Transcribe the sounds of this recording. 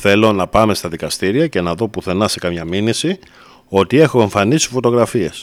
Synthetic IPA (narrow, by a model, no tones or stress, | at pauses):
θe̞lo̞nɐpɐme̞st̪ɐðikɐst̪iɾiɐce̞nɐðo̞puθe̞nɐse̞kɐmɲɐminisi | o̞t̪ie̞xoe̞ɱfɐnisi̥fo̞t̪o̞ɣɾɐfie̞s